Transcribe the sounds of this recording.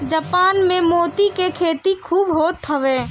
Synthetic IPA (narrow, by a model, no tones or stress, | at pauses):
d͡ʒəpaːnmẽmoːt̪ikekʰeːt̪ikʰuːbɦoːt̪ʰːəʋeː